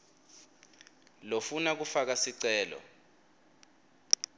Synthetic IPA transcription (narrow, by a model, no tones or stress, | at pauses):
lofunak̬ufak̬asiǀɛːlɔ̰